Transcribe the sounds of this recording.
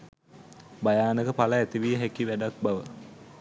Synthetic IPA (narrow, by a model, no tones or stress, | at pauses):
bajaːnəkəpaləæt̪iʋiɦækiʋæɖak̚baʋə